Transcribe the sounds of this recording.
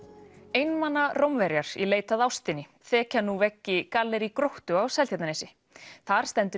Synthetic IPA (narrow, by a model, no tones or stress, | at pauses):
ejnmanːarowmvɛɾjaɾ̥ḭleːjt̪aðawst̪ɪnːɪ | θɛːcanuvɛcːɪkalːɛɾikɾowht̪ʏawsɛlʰat̪nanejsɪ | θaɾ̥st̪ɛnt̪ʏ